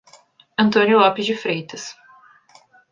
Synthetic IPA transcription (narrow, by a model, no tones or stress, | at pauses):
ɐ̃nt̪õnjʊlɔpɪzd͡ʒɪfɾejt̪ɐs